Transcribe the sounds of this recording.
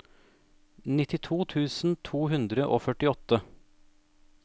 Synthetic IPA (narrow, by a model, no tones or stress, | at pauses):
nɪt̪ɪt̪ʰuːt̪ʰʉːsn̩t̪ʰuːɦʉnd̪ɾəʔoːfœʈɪɔt̪ə